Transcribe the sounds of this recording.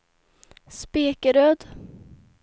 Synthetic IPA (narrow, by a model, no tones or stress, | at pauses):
speːkəɾøːd̪